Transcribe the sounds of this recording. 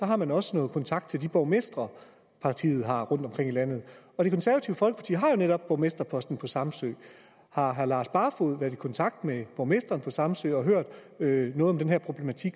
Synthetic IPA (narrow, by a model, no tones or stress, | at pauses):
sɒ̽ɦɑ̈mænɒ̽sənɔ̽ːð̞̩ˠkʰɒ̽nt͡sʰɑ̈ɡ̥d̥̚t͡sʰe̝ld̥ib̥ɒʊmesd̥ʁɐ | pʰɑ̈t͡sʰḭːð̩ˠɦɑ̈ʁɔ̽n̰d̥ɒ̽mkʰʁeŋilæn̰ð̞̩ˠɒ̽d̥ikʰɔ̽nsæɐæt͡sʰiːʊəfɒlɡ̥əpʰɑt͡sʰḭːɐɦɑ̈jo̝neɾɒ̽b̥̚ːɒʊmesd̥ʁɐpʰɒ̽sd̥n̩pʰɒ̽sɑ̈msø̰ːɪ | hɑ̈ɦæɐlɑ̈ːsb̥ɑ̈ːfo̝ðˠʋæɐðˠikʰɒ̽nt͡sʰɑ̈ɡ̥̚d̥meb̥ɒʊmesd̥ʁɐːnpʰɒ̽sɑ̈msø̰ːɒ̽ɦøɐ̰d̥ | ønɔ̽ːð̩ɒ̽md̥enɦeɐ̰pʰʁo̝b̥le̝mæt͡sʰiɡ̥